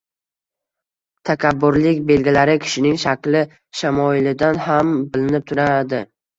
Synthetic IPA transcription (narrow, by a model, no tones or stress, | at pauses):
t̪ʰakʲʰabːʊɾlɪkʲbe̞lɡʲilaɾɪkʲʰɪ̥ʃɪnɪŋʃakʲlɪ | ʃamɒɪlɪd̪anhambɪlɪnɪp̚t̪ʰʊɾad̪ɪ